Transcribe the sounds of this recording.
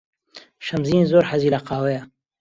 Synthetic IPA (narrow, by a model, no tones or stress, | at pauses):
ʃɐmziːnzoːɾħɐziːlɐqɑːwejɐ